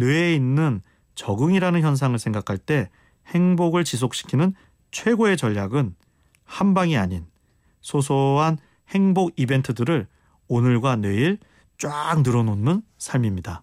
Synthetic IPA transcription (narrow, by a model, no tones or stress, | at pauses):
nweeinːɯn | t͡ɕʌɡɯŋiɾanɯnçjʌnsʰaŋɯɭsʰe̞ŋɡakʰaɭt͈e̞ | he̞ŋboɡɯɭt͡ɕis̬ʰok̚ɕ͈ʰi̥kʰinɯn | t͡ɕʰwe̞ɡoe̞t͡ɕʌʎːaɡɯn | hambaŋiaɲin | sʰosʰoɦan | he̞ŋboɡibe̞ntʰɯdɯɾɯɭ | onɯɭɡwanwe̞iɭ | t͡ɕ͈wak̚nɯɾʌnonːɯnsʰaɭmimɲida